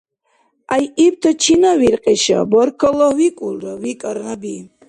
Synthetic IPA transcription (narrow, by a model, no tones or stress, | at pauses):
ajib̚t̪ʰət͡ʃʰinaviɾqʼiʃa̰bɔɾkʰɔlɔwikʼulɾəvikʼəɾnabi